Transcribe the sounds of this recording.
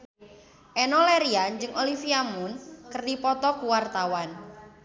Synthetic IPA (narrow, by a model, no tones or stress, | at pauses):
ʔɛnɔleɾiand͡ʒɨŋʔolifiamunkərdipɔt̪ɔkuwart̪awan